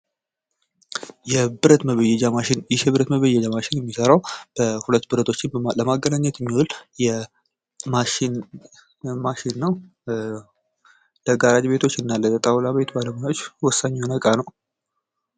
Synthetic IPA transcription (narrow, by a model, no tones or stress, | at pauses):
jɛbɨɾət̪məβəjɛd͡ʒamaʃɪnjɪʃɛβɨɾət̪məβəjɛd͡ʒamaʃɪnjɛmːisəɾawb̥əhulət̪ːbɨɾət̪ʰo̞t͡ʃːɪnləmaɡːənaɲːɛt̪jɛmːiwɔljɛ | maʃɪn | maʃɪnːəw | ləɡaɾad͡ʒbe̞t̪ʰo̞t͡ʃːɨnːaləət̪ʼawlaβe̞t̪baləmojaot͡ʃːwɔsːaɲːnəkʼanəw